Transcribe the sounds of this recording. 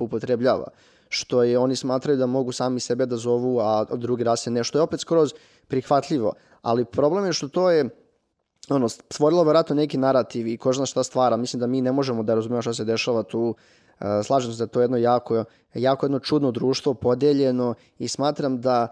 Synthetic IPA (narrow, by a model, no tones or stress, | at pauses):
upo̞t̪ɾebʎa̰ːʋa̰ | ʃt̪o̞jeo̞nismaːt̪ɾajud̪amo̞ɡusaːmise̞be̞d̪azo̞ʋuad̪ɾuːɡiɾaːst̪eneʃt̪ojo̞pet̪skɾoz | pɾixʋat̪ʎiʋo̞̰ | a̰lipɾo̞ble̞mjeʃt̪o̞t̪oːje | o̞nost̪ʋo̞ɾilˠoʋeɾat̪nonekinaɾat̪iʋikoʒnasʃt̪ast̪ʋaːɾamislimd̪amiːnemo̞ʒemod̪aɾazumemoʃt̪as̬ed̪eʃaʋat̪uː | əslˠaːʒemsed̪at̪ojed̪no̞jaːko | jaːkojed̪no̞t͡ʃud̪no̞d̪ɾuːʃt̪ʋo̞po̞d̪eʎeno̞ | ismaːt̪ɾamd̪a